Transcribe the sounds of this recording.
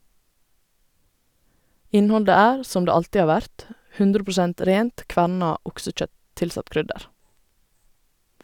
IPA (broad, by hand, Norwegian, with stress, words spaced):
ˈɪnˌhɔldə ˈæːɾ ˈsɔm ˈdeː ˈɑltɪ ˈɑː ˈʋæɾt ˈhʉndɾə pɹʊˈsɛnt ˈɾeːnt ˈkʋæɳɑ ˈʊksəˌc͡çœt ˈtɪlˌsɑt ˈkɾʏdəɾ